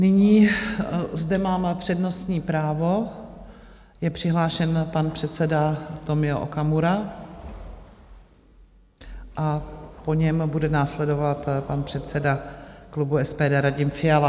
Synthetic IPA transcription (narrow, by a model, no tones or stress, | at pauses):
nɪɲiː | zdɛmaːmpr̝̥ɛdno̞st̪ɲiːpɾaːvo̞ | jɛpr̝̥ɪɦlaːʃɛnpanpr̥ɛt̪sɛdat̪o̞mɪoʔo̰kamuɾa | ʔapo̞ɲɛmbudɛnaːslɛdo̞vat̪panpr̝̥ɛt̪sɛdaklubuɛspɛːdɛːɾaɟɪmfɪala